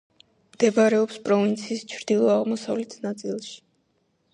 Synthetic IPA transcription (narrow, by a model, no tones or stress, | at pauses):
md̪ɛbaɾɛɔpspʼɾɔvint̪sʰiːst͡ʃʰɾd̪̥ilˠɔaʁmɔsavlɛt̪ʰnat̪sʼilˠʃi̥